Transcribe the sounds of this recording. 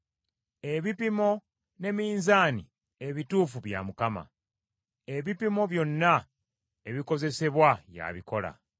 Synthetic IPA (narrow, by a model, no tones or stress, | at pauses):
e̞βipimo̞ | ne̞miːnzaːni | e̞βituːfuβja̰mukama̰ | e̞βipimo̞βjo̞nːa | eβiko̞ze̞se̞βwaja̰βiko̞la̰